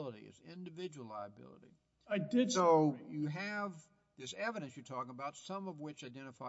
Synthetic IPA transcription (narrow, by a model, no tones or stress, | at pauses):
lˠəɾḭɨ̰zɪ̃ndɨvɪd͡ʒəwl̩la̰ɪəbɪ̰lˠə̰ɾḭ | aɪdɪsoʊjɨɨv | ðɪsɛvɨɾɨ̃nsjə˞tʰɔkɪ̃ŋəbaʊtsʌ̃mʌvwɪt͡ʃaɪdɛ̃ɾ̃ɨfaɪ